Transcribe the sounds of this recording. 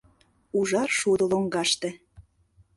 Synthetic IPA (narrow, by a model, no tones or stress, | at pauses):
uʒɑrʃud̪ɤ̆loŋɡɑʃt̪ĕ